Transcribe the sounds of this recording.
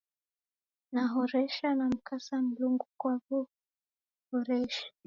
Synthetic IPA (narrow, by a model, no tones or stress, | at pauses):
naɦɔɾɛʃanam̩kʰasam̩luŋɡukwavɔ | hɔɾɛʃḁ